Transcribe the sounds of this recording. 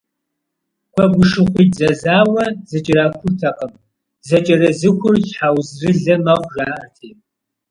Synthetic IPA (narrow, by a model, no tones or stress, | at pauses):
kʷʰɐɡʷʊʂɨχʷizɐzaːwɐzɐt͡ʃʼɪraːkʷʰʊrtʰɐqʼəm | zɐt͡ʃʼɐrɐzɨkʷʊrjħaːwzrɨɮɐmɐχʷʒaːtʰeː